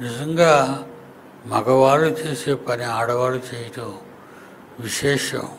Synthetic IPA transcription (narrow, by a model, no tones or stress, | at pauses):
nid͡ʒɐŋɡaː | mɐɡɐʋaːlut͡ʃeːsepɐniaːɽɐʋaːlut͡ʃeːjit̪u | ʋiʃeːʃ